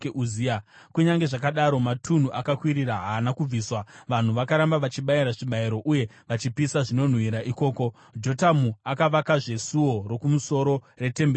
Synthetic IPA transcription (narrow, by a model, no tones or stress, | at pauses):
euzia | kuɲaŋɡe̞ʐakaɗaɾo̞matʰun̤uʔakakwiɾiɾaɦaːnakub͡viːswaʋan̤uʋakaɾambaʋat͡ʃiɓaiɾaʐiɓaiɾo̞ʔuje̞ | ʋat͡ʃipisaʐino̞n̤wiɾaʔiko̞ːko̞ | d͡ʒo̞tamuakaʋakaʐe̞suwo̞ro̞kumuso̞ɾo̞ | re̞te̞mbe